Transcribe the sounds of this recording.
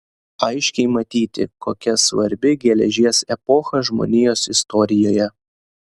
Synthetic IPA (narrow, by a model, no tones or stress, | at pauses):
ɐɪʃʲkʲɛɪmɐt̪ʲiːt̪ʲɪ̰koːkʲɛsʋɐɾʲbʲɪɡʲɛlʲɛʒʲiɛsɛpɔxɐʒmo̰ːnʲɪjoːsɪst̪ɔːɾʲɪjoːjɛ